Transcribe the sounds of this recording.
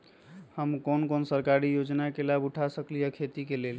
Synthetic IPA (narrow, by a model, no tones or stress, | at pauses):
həmkonkonsəɾkaɾijod͡ʒnakelabuʈʰasəklijəkʰet̪ikelel